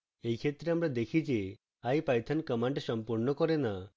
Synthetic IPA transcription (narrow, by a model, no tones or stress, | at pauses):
ejkʰet̪ɾeamɾad̪ekʰid͡ʒe | ajpajt̪ʰankəmaɳʈsɔmpuɾnɔkɔɾena